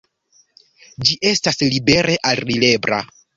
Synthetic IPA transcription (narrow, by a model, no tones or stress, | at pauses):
d͡ʒiʔe̞staslibe̞ɾʔe̞ʔalrile̞bɾa̰